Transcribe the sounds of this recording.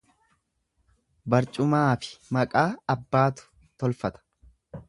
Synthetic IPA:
bɐɾt͡ʃʼʊmaːfɪ̥mɐkʼaːɐbːaːt̪ʊ̥ | t̪ɔlfɐt̪ɐ̥

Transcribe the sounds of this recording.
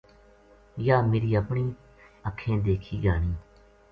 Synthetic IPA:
jaːmeːɾiːəpɳiː | əkʰːẽːd̪eːkʰiːɡaːɳiː

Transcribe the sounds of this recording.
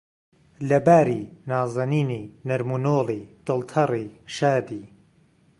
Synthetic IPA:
lɐbaːɾiːnaːzɐniːniːnɐɾmunoːliːd̪̥ɨlt̪ʰɐriːʃaːd̪iː

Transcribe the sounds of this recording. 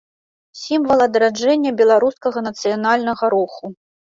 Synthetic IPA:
sʲimvɐlˠɐd̪ɐɾad͡ʐɛnʲːɐbʲɛlˠaɾuskɐɣɐnɐt̪sɨjanalʲnɐɣɐɾɔxu

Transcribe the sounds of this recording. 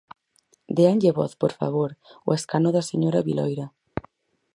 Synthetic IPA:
d̪eanʎeβɔ̰θpoɾfa̰βoɾo̰eskanoðaseɲoɾaβilɔ̰jɾa

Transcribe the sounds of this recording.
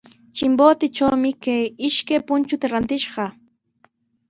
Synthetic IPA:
t͡ʃɪmbot̪ɪt͡ʃawmɪkajɪʃkajpʊnt͡ʃʊt̪aɾant̪ɪʃɢɑ

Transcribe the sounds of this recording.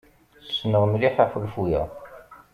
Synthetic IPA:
snəʁmliħaħəlfujæ̰

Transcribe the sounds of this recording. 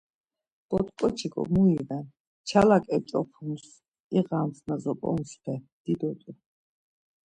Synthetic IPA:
b̥ɔt̪ʼkʼɔt͡ʃʰiɡɔ̰muiʁɛn | t͡ʃʰalakʼɛt͡ʃʼɔpʰums | iʁamsnazɔpʼɔ̰nspʰɛ | d̪̥id̪ɔt̪ʼu

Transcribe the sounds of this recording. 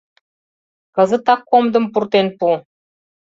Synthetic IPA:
kɤ̆zə̆t̪ɑkːomd̪ə̆mpurt̪enpu

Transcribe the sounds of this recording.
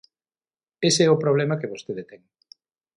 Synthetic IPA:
eseɛʊpɾoβ̞lɛmɐkeβost̪eðet̪ɛŋ

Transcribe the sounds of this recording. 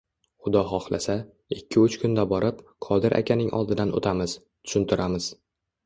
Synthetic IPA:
χʊd̪ɒɦɒχlˠasa | ɪkʲʰːɪʊt͡ʃkʰʊnd̪abɒɾʔɪpqʰɒd̪ɪɾʔa̰kʲanɪŋʔɒ̰lˠd̪ɪd̪anʔo̰t̪ʰamɪz̥ | t̪ʰʊ̥ʃɪnt̪ʰɪɾʔamɪz̥

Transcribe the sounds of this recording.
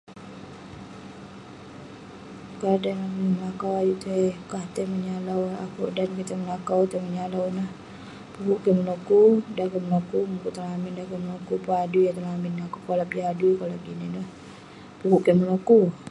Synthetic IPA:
kadanakuaməlakawad͡ʒut̪əkaht̪əməɲalawa̰kṵʔdankit̪əməlakawt̪əməɲalawnah | pukuʔkəməlokudakəməlakumukuʔt̪alamɪndakəməlokupadujat̪alaminakukolapliadukolaɡinidah | pukuʔkeməloku

